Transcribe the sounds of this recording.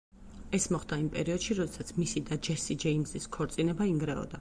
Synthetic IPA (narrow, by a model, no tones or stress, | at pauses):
ɛsmɔχd̪aimpʼɛɾiɔd̪̥ʃiɾɔd̪ɛsat̪sʰmisid̪ad͡ʒɛsid͡ʒɛimziskʰɔɾt̪sʼinɛbaiŋɡɾɛɔ̰d̪a